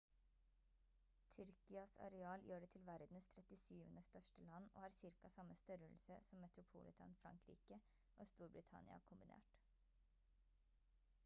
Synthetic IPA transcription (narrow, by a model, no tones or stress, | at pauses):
t̪ʰʏɾkɪɑsɑ̰ɾɛɑːljøːɖɛːt̪ʰɪlʋæɾd̪n̩st̪ʰɾɛt̪ɪsyːʋə̰nəst̪œʂʈəlɑnːo̰ːhɑːɾsɪɾkɑsɑmːəst̪œɾəlsəsɔmːɛt̪ɾʊpʰṵːlɪ̰t̪ʰɑ̰nfɾɑ̰ŋkɾḭːkə | ʔoːst̪uːɾbɾɪt̪ʰɑ̰nɪɑ̰kʰʊmbɪnḛːʈ